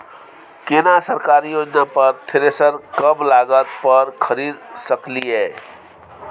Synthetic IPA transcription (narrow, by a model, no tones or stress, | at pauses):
kenasəɾkaɾijod͡ʒnapʌɾt̪ʰeɾesəɾkʌmlaɡət̪pəɾkʰəɾid̪səkliɦe